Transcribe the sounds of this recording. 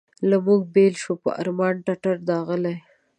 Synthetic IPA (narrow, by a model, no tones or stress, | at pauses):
lamuɡ̚belʃopə̰ʔa̰ɾmɑɳʈaʈaɾd̪ɑɣəlaj